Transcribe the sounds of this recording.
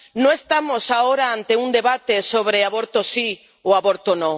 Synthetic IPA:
nõest̪amosaoɾaant̪eund̪eβat̪esoβɾeaβoɾt̪osi | oaβoɾt̪onõ

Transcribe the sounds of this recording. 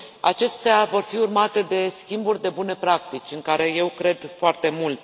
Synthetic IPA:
a̰t͡ʃe̞st̪eavo̞rfiurmat̪e̞d̪e̞skʲimburʲd̪e̞bune̞pɾakt̪it͡ʃʲɨŋkaɾe̞je̞wkɾe̞d̪foart̪e̞mult̪

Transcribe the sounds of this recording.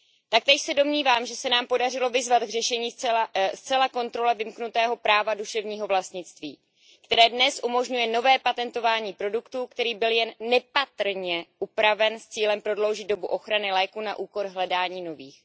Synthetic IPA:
t̪ak̚t̪ɛːʃsɛdo̞mɲiːvaːmʒɛsɛnaːmpo̞dar̝ɪlo̞vɪzvat̪ɡrɛʃɛɲiːst͡sɛlako̞nt̪ɾo̞lɛvɪmknut̪ɛːɦo̞pɾaːvaduʃɛvɲiːɦo̞vlast̪ɲɪt͡st̪viː | kt̪ɛɾɛːdnɛsʔumo̞ʒɲujɛno̞vɛːpat̪ɛnt̪o̞vaːɲiːpɾo̞dukt̪uːkt̪ɛɾiːbɪljɛnːɛpat̪r̩ɲɛʔupɾavɛnst͡siːlɛmpɾo̞dlo̞wʒɪd̪̚do̞buʔo̞xɾanɪlɛːkuna̰ʔuːko̞ɾɦlɛdaːɲiːno̞viːx

